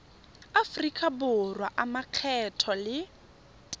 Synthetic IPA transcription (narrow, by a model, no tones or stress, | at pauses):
afʊrikʼabʊrwaʔamaq͡χʰɛtʰɔlɪ